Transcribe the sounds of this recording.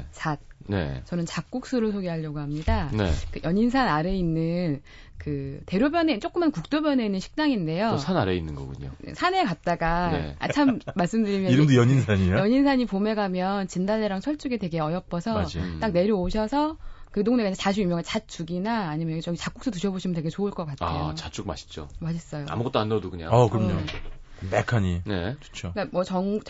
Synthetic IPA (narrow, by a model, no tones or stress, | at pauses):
sʰat̚nḛt͡ɕʌnɯnt͡ɕak͈̚uk̚s͈ɯɾɯɭsʰoɡeɦaʎːjʌɡoɦamɲidanḛkɯjʌɲinsʰanaɾe̞inːɯn | kɯte̞ɾjobjʌnet͡ɕ͈ok͈ɯmankuk̚t͈objʌne̞inːɯnɕʰi̥k̚t͡ɕ͈aŋinde̞josʰanaɾḛinːɯnɡʌ̰ɡṵɲo̰ḛsʰane̞kat̚t͈aɡanḛt͡ɕʰammːaɭs͈ɯmdɯɾimjʌiɾɯmdojʌɲinsʰaɲijʌɲinsʰaɲipome̞ɡamjʌnt͡ɕindaleɾaŋsʰʌɭt͡ɕ͈uɡete̞ɡe̞ʌjʌp͈ʌsʰʌd͡ʑit͈ak̚ne̞ɾjʌoɕʰʌsʰʌkɯdoŋnekaetaɕ̬ʰijumjʌŋeɭt͡ɕat̚t͡ɕ͈uɡinaːɲimjʌt͡ɕʌɡit͡ɕak͈uks͈ʌtuɕʰʌboɕʰimʌnteɡet͡ɕoɯɭk͈ʌk͈at̚a̰et͡ɕat͡ɕ͈uɡma̰ɕʰi̥t͡ɕ͈o̰maɕʰis͈ʌjoa̰muɡʌt͈oanːʌdukɯɲa̰akɯɾʌmɲo | mekʰaɲine̞̰t͡ɕo̥t͡ɕʰok͈amwʌt͡ɕʌŋt͡ɕ